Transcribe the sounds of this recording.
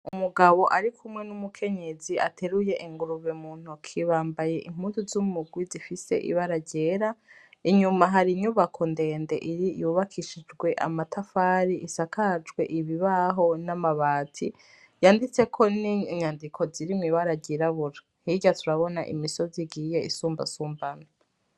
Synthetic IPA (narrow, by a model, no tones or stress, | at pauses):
umuɡaβo̞ʔaɾikʰumwe̞numukʰe̞ɲe̞ziʔa̰tʰe̞ɾuje̞ʔiŋɡuɾuβemuːn̥hukʰiβaːmbaje̞ʔim̥uːnzuzumumuɡwizifise̞̰ʔḭβaɾaɟe̞ɾaiɲumaɦaɾiɲuβakʰo̞nde̞ːnde̞̰ʔiɾijuβakʰiʃid͡ʒɡwe̞ʔa̰matʰafaːɾiʔisakʰad͡ʒɡwe̞̰ʔiβiβaɦo̞namaβaːtʰḭ | jaːndit͡se̞kʰo̞niɲaːndikʰo̞ziɾimwiːβaɾaɟiɾaβuɾa | hiɟatʰuɾaβo̞na̰ʔḭmiso̞ziɡije̞isuːmba̰suːmbana